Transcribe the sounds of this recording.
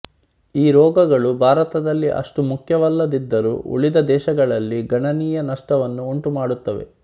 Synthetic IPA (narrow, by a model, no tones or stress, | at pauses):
iːɾɔːɡɐɡɐɭubʱaːɾɐt̪ɐd̪ɐlːiʔɐ̰ʂʈumukʰjɐʋɐlːɐd̪id̪ːɐɾṵːʔṵɭid̪ɐd̪ɛːʃɐɡɐɭɐlːiɡɐɳɐniːjɐnɐʂʈɐʋɐnːuuɳʈumaːɽut̪ːɐʋe̞̰